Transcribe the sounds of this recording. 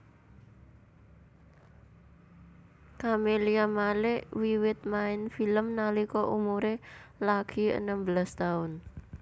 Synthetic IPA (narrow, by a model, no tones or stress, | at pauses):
kameliamalɪʔwiwɪt̪̚maɪnfiləmnalikɔʔumuɾelaɡ̥i̤ə̰nəmbəlast̪aʊn